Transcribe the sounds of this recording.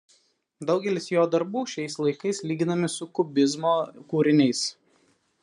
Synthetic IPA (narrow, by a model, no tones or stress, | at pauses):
d̪ɒʊɡʲɛlʲɪsjoːd̪ɐɾbuːʃʲɛɪslˠɐɪkɐɪslʲiːɡʲɪnɐmʲɪsʊkʊbʲɪzmoːkuːɾʲɪnʲɛɪs